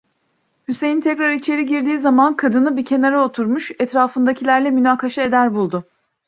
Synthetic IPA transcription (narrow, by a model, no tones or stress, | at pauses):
hyse̞jint̪ʰɛkɾaɾit͡ʃʰe̞ɾiɟiɾd̪iːzamankʰad̪ɯnɯbicʰe̞naɾao̞t̪ʰuɾmuʃɛt̪ɾaːfɯnd̪acʰilʲæɾlʲɛmynaːkʰaʃae̞d̪æɾbulˠd̪ʊ